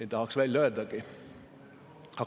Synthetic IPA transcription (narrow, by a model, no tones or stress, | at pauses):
et̪ːɑhɑksʋælʲløød̪ɑki | ɑ